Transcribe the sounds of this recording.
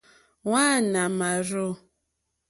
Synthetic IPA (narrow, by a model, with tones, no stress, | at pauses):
waː˦˨na˨ma˨ɾo˦